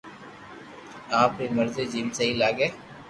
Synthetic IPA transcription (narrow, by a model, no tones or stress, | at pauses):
aːpɾiːməɾzeːd͡ʒiːmsəɦilaːɡeː